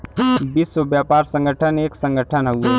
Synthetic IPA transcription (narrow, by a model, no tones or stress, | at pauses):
biːsobjaːpaːɾsə̃ŋɡəʈʰəneːksə̃ŋɡəʈʰənɦəue